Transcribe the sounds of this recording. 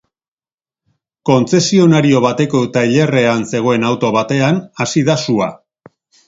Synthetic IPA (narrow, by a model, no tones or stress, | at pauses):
ko̞nt͡se̞sio̞naɾio̞βat̪e̞ko̞t̪ajʎe̞re̞anse̞ɣ̞o̞e̞nawt̪o̞βat̪e̞anasiðasua̰